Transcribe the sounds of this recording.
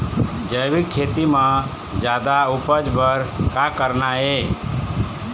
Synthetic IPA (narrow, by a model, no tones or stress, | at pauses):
d͡ʒəjbikʰːet̪imə̃ | d͡ʒad̪aupəd͡ʒbəɾkakəɾnae